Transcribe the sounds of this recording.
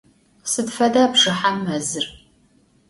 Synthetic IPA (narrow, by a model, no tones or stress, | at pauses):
sɨdfɐdaːbʐɨħamːɐzɨr